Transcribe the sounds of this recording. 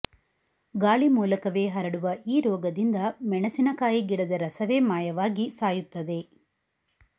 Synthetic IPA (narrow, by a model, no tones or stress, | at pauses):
ɡaːɭimuːlɐkɐʋeːɦɐɾɐɽuʋɐʔiːɾɔːɡɐd̪ind̪ɐmɛɳɐsinɐkaːjiɡiɽɐd̪ɐɾɐsɐʋe̞ːmaːjɐʋaːɡisaːjut̪ːɐd̪e̞